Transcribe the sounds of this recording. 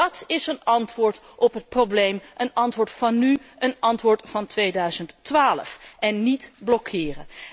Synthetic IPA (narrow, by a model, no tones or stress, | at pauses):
ɑtɪsənɑntʋʊːɹt | ʔɔpɦət̚problejmʔənɑntʋʊːɹtfɑnyʔənɑntʋʊːɹtfɑntʋejdœɥzəntːʋaːlə̰fɛnːitblɔkʰɪːrən